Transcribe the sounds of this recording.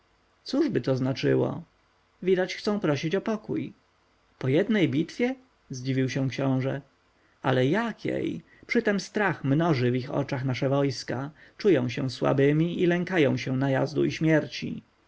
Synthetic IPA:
t̪suʐbɘt̪ɔznat͡ʂɘwɔ̰ | vʲid̪at͡ɕxt̪ɔ̃w̃pɾɔɕit͡ɕɔpɔkuj | pɔjɛd̪nɛjbʲit̪fʲjɛ | zd͡ʑivʲiwɕɛ̃kɕɔ̃w̃ʐɛ | alɛjakʲʰjḛj | pʂɘt̪ɛmst̪ɾaxmnɔʐɘvixɔ̰t͡ʂaxnaʂɛvɔjskat͡ʂujɔ̃w̃ɕɛ̃swa̰bɘmʲiʔilɛŋkajɔ̃w̃ɕɛnaja̰zd̪ṵiɕmʲjɛɾt͡ɕḭ

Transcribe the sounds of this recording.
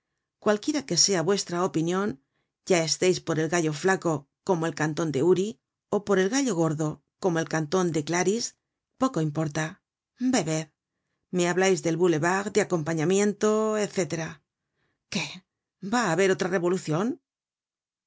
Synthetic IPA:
kwalkje̞ɾake̞se̞aβwe̞st̪ɾaopinjõ̞n | ɟ͡ʝae̞st̪ejspo̞ɾe̞lɣaʎo̞flako̞ | ko̞moe̞lkant̪o̞nd̪e̞uɾi | o̞po̞ɾe̞lɣaʎo̞ɣo̞ɾðo̞ | ko̞moe̞lkant̪o̞nd̪e̞klaɾis | po̞ko̞impo̞ɾt̪a | be̞βe̞ð | me̞aβlajzðe̞lβule̞βaɣd̪eako̞mpaɲamjẽ̞nt̪o̞eθe̞t̪e̞ɾa | ke̞ | baːβe̞ɾo̞t̪ɾare̞βo̞luθjo̞n

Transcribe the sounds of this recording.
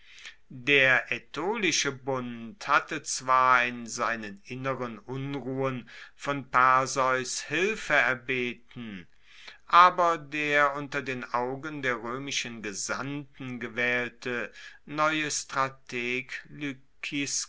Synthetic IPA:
deːɐʔɛtʰoːlɪʃəbʊnthatət͡sv̥aːɐɪnzaɪnənʔɪnəʁənʔʊnʁuːənfɔnpaɐzɔʏshɪlfəɛɐbeːtn̩ | ʔaːbɐdeːɐʊntɐdeːnʔaʊɡəndeːɐʁøːmɪʃənɡəza̰ntn̩ɡəvɛːltʰənɔʏəstʁ̥atʰeːkly | kʰis

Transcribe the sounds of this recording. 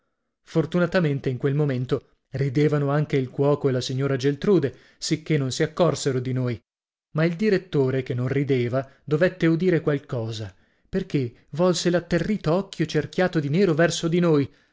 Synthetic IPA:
fort̪unat̪ament̪eiŋkwelmoment̪o | rid̪eːvanoaŋkeilkwɔːkoelasiɲːoːɾad͡ʒelt̪ɾuːd̪e | sikːenːonsiakːɔrseɾod̪inoːj | maild̪iɾet̪ːoːɾekenːõnrid̪eːvad̪ovet̪ːeud̪iːɾekwalkɔːza | perke | vɔlselat̪ːerːiːt̪oɔkʰːjot͡ʃerkjaːt̪od̪inɛːɾovɛrsod̪inoj

